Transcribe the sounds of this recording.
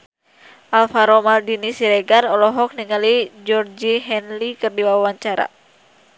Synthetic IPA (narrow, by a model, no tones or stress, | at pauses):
ʔalfaɾɔmaldinisiɾɛɡarɔlɔɦɔk̚niŋalid͡ʒɔrd͡ʒiɦɛnlikɨrdiwawawaɲt͡ʃaɾa̰